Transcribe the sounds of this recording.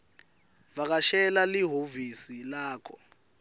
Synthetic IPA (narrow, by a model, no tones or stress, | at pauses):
vak̬aʃɛlaliɦovisilaːkʰɔ